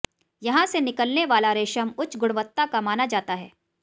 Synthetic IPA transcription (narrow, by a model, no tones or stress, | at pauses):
jɐɦãsenɪkəlneʋaːlaɾeːʃəmʊt͡ʃɡʊɽ̃ʋət̪ːakamaːnad͡ʒaːt̪aɦɛː